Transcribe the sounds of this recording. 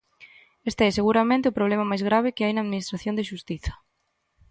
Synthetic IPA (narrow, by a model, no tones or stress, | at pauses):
est̪eɛseɣuɾamẽnt̪ɪʊpɾoβ̞lemamajzɣ̞ɾaβ̞ɪkɪajnaːðminist̪ɾaθjond̪eʃust̪iθɐ̥